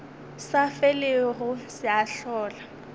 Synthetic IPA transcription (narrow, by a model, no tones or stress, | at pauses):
safeleɣʊsɪaɬɔːla